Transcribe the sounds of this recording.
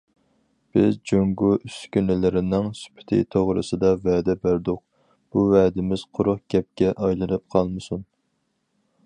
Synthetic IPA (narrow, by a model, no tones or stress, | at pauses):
b̥ɪzd͡ʒøŋɡuʔyskʲynɪlɪɾɪnɪŋsy̥pʰɪ̥t̪ʰɪ̰t̪ʰoʁɾɨ̰sɨd̪ɑvɛːd̪ɛbæɾd̪ʊq̚ | b̥uvɛd̪ɪmɪz̥qʰʊɾʊχɡ̥ʲɛp̚kʲɛʔɑjlˠɨnɨp̚qʰɑlˠmɨsun